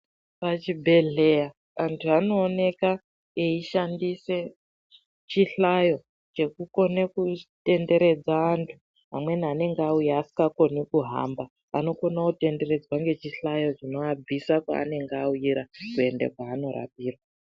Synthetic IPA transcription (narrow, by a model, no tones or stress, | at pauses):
pat͡ʃibʱe̞ɮe̞ja | antʰuano̞ːne̞ka | eiʃandise̞ | t͡ʃiɬajo̞ | t͡ʃe̞kuko̞nekute̞nde̞ɾe̞d͡zaːntʰu | ɦamwe̞nane̞ŋɡeaujaːsi̥kɡako̞nekuɦa̰mba | a̰no̞ko̞nate̞nde̞ɾe̞d͡zwaŋɡe̞t͡ʃiɬajo̞ʐino̞ab͡visakwa̰ːne̞ŋɡauiɾakue̞ndḛkwaːno̞ɾa̰piːrwa